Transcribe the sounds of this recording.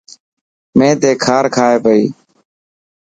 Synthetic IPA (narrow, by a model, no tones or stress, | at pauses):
mẽːt̪eːkʰaːɾkʰaːeːpəiː